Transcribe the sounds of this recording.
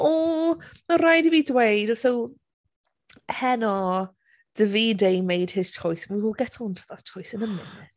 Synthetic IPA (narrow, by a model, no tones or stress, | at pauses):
ɔmarajdiviːdwejdsow | hɛnɔ | d̥əviːdejmejd̥hɪz̥t͡ʃʰɔjsnwiwoːlˠɡɛtʰɔntʰaðat͡ʃʰɔjsənəmɪnɛ